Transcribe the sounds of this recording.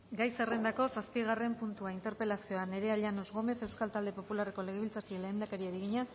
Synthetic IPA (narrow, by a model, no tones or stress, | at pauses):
ɡajserend̪ako̞saspiɣ̞are̞mpunt̪uaint̪e̞ɾpe̞lasio̞ane̞ɾe̞aʎano̞zɣo̞me̞θe̞wskalt̪ald̪e̞po̞pulareko̞le̞ɣ̞eβilt͡sakileːnd̪akeɾiaɾiɣ̞iɲa